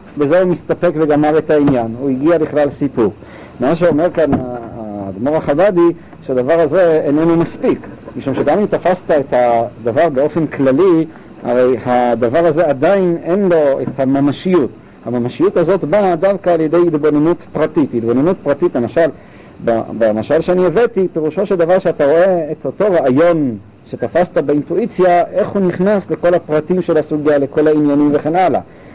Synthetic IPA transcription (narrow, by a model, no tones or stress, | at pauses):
bezeumist̪ape̞kveɡamaʁe̞tainjanuiɡiabiχlalsipuʁ | maʃ̬eome̞ʁkanaad̪moʁaχabad̪i | ʃead̪avaʁaze̞enenumaspikmiʃumʃeɡamimt̪afast̪aethad̪avaʁbeo̞fe̞nklali | a̰ʁejhad̪avaʁaze̞ad̪aine̞nlo̞et̪hamamaʃijut | hamamaʃijutazo̞tbadavkaːljede̞jitbo̞nenutpʁatititbo̞nenut̚pʁatitlemaʃal | ba̰bemaʃalʃeanievetipe̞ʁuʃo̞ʃed̪avaʁʃeataʁo̞e̞ːtoto̞ʁaajo̞n | ʃe̞tafastabeintuit͡sjaʔe̞χhuniχnasle̞ko̞lapʁatimʃe̞lasuɡijale̞ko̞lainjanimve̞χe̞nʔala̰